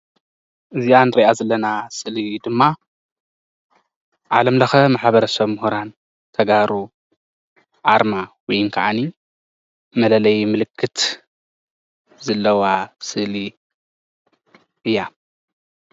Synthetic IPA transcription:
ʔɨzijanɨɾiʔazɐlːɐnasɨlid̪ɨmːa | ʕalɐmlɐxɐmaħβɐɾɐsɐβmhuɾan | t̪ʰɐɡaɾu | ʕaɾmawɔjɨŋkʰa̰ʕani | mɐlɐlɐjmɨlɨkʰːɨt̪ | zɐlːɐwasɨʔli | ʔɨjːa

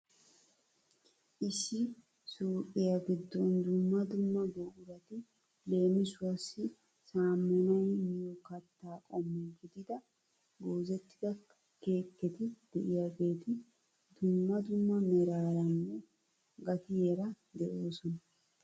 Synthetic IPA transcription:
ʔɪsːɪ | suːʔʼɪjaɡɪd̪ːɔnd̪ʊmːɐd̪ʊmːɐɡoːʔʊɾɐt̪ɪ | le̞ːmɪsʊɐsːɪ | saːmːɔnɐjmɪjɔkɐt̪ːaːkʼɔmːɛɡɪd̪ɪd̪ɐ | ɡoːzɛt̪ːɪd̪ɐ | ke̞ːkːɛt̪ɪd̪̥ɛʔɪjaɡe̞ːt̪ɪ | d̪ʊmːɐd̪ʊmːɐmɛɾaːɾɐnːɛ | ɡɐt̪ɪjɛɾɐ | d̪ɛʔo̞ːsɔnɐ

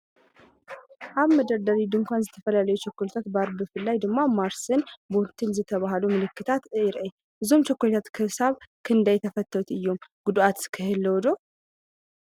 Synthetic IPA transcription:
ʔaβməd̪əɾd̪aɾid̪ɨŋkʷanzət̪ʰəfəlalajɛt͡ʃʰɛkːolt̪ʰat̪baɾbɨfɨlːajd̪ɨɡmomaɾsɨnbolt̪ʰɨnzət̪ʰəβahlumɨlɨkːɨt̪ʰat̪ɨɾʔej | ɨzomt͡ʃɛkːolt̪ʰat̪kʰəsaβkʰɨnd̪ajt̪ʰəfət̪ʰːəwut̪ɨjːomɡ̥ud̪uat̪kʰəhɨlːəwod̪o

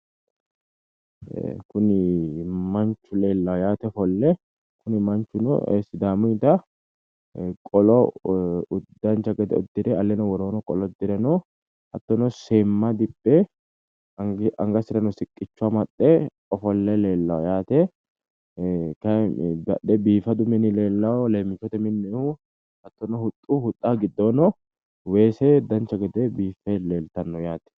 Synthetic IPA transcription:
kʊnɪmɐnt͡ʃːʊleːlːɐwjaːt̪ɛfɔlːɛ | kʊnɪmɐnt͡ʃːʊnɔ̰sɪd̪aːmʊɪt̪ɐ | kʼɔlɔ | ʊd̪ːɐnt͡ʃːɐɡɐd̪ɛ̰ɔd̪ːɪɾɛɐlːɛnɔwɔɾoːnɔkʼɔlɔd̪ːɪɾɛnɔ | hɐt̪ːɔnɔseːmːɐd̪ɪpʼːɛ | ɐŋɡɐsɪɾɐnɔsɪkʼːɪt͡ʃːʊaːmɐɗːe | ɔfɔlːɛleːlːɐɔjaːt̪ɛ | kɐbɐ̰ᶑɛbiːfɐd̪ʊmɪnɪleːlːɐwɔleːmːɪt͡ʃːɔt̪ɛmɪnːɛhu | hɐt̪ːɔnɔhʊt̪ʼːuːhʊt̪ʼːaːɡɪd̪ːoːnɔ | weːseʊd̪ːɐnt͡ʃːɐɡɐd̪ɛbiːfːɛleːlt̪ɐnːɔjaːt̪ɛ̥

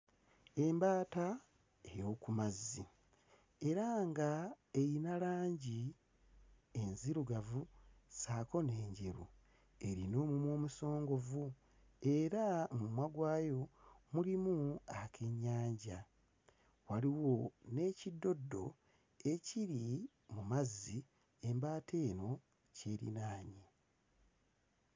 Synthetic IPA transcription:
e̞mbaːta | ejo̞ːkumazːi | e̞ɾaŋɡa | ejinalaːɲɟi | enziɾuɡavusaːko̞ne̞ːɲɟeɾṵ | e̞ɾino̞ːmumwo̞ːmuso̞ːŋɡo̞vu | e̞ɾamumwaɡwaːjo̞mulimuakʰe̞ɲːaːɲɟa | waliwo̞ne̞ːcidːo̞dːo̞̰ | e̞ciɾi | mumazːi | e̞mbaːte̞ːno̞ | ce̞ːɾḭnaːɲi

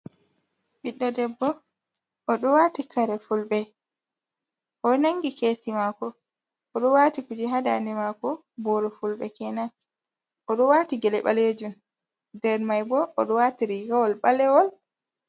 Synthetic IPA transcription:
ɓiɗːɔdɛbːɔ | ʔːɗɔwatikʰaɾɛfulɓɛ | ʔɔnaŋɡikeːsimakɔː | ɗɔwatikud͡ʒiɦada̰nimakɔ | bɔɾɔfulɓɛ̰kɛnan | ʔɔɗɔwaːtiɡɛlɛɓa̰leːd͡ʒun | dɛɾmajbɔʔːɗɔwatiɾiɡawɔlɓalɛwɔl

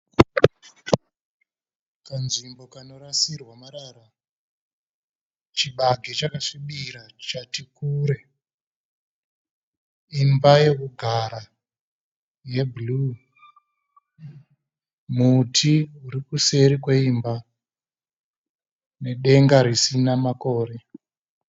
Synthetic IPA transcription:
kanʐimbo̞kano̞rasirwamaɾaɾa | t͡ʃiɓaɡʱet͡ʃakaʂiɓiɾat͡ʃatikuːɾe̞ | imbaje̞kuɡʱaɾa | je̞blu | mutʰiuɾikuse̞ɾikweimba | ne̞ɗe̞ŋɡaɾisinamako̞ːɾe̞

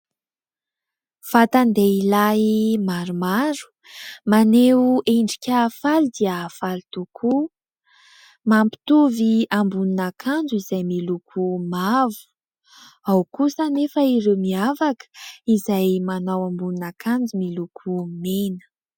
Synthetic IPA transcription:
fat̪and̪eilaimaɾumaɾu̥ | maneuʔeɳɖ͡ʐi̥kʲaːfald̪iaːfalit̪ukʰu | mampi̥t̪uviambuninakʰand͡zuizajmilukʰumavu̥ | awkusanefəiɾewmiavakə̥izajmanawambuninakʰand͡zumilukʰumenə̥

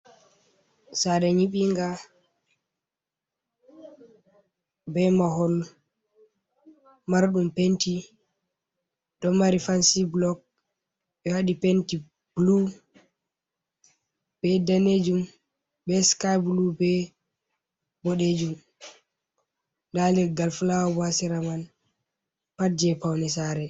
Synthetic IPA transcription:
saɗɛɲiɓiŋɡa | bɛmaɦɔl | maɾɗumpenti | dɔmaɾifansiblɔk̚ | ɛhaɗipenti | blu | b̥ɛdaned͡ʒum | bɛskajblubɛ | bɔɗed͡ʒum | dalɛɡalfulawɔbasiɾaman | pad͡ʒɛpawnɛsaɾɛ

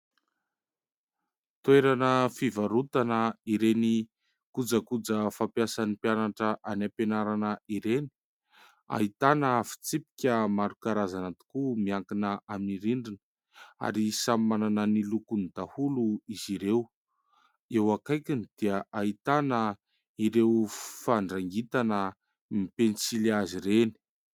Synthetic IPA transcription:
t̪weɾanəfivaɾut̪anəiɾeni | kud͡zəkud͡zəfapjasanipjanaʈ͡ʂəʔanapenaɾanəiɾeni̥ | a̰ɦit̪anəfi̥t͡sipi̥kʲəmaɾukaɾazanat̪i̥kumiaŋkinəamniɾiɳɖ͡ʐinə̥ | a̰ɾisamimananənilukunid̪ahuluiziɾew | ewakajkinid̪̥iaait̪anə | iɾewfaɳɖ͡ʐaŋɡit̪anə | mipensilaziɾeni̥

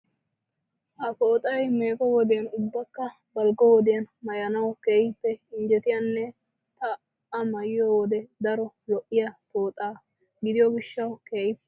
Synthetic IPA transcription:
ʔɐfoːt̪ʼɐjmeːkʼɔwɔd̪eɐnʊbːɐkːɐ | bɐlɡɔwɔd̪ɪjɐnmɐjɐnɐwkeːjpːɛɪnd͡ʒɛt̪ɪjɐnːɛ | t̪ɐ | ɐmɐjɪjɔwɔd̪ɛd̪ɐɾɔ | lɔʔːɪjɐt̪o̞ːt̪ʼaː | ɡɪd̪ɪjɔɡɪʃːɐwkeːjɪpːɛ

